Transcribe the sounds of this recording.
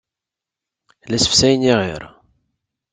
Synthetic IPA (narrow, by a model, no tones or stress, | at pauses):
læsə̥fsæjniʁḭɾ